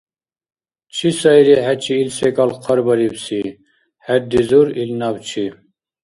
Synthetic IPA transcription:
t͡ʃʰisɑjɾiɦæt͡ʃʰiːlsɛkɑlqʰəɾbɑɾibsi | hæd̪izuɾilnɑbt͡ʃʰi

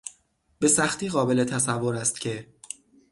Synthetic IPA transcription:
b̥e̞sæxt̪iːɣɒːbe̞le̞t̪ʰæsævːo̞ɾæst̪̚cʰe̞

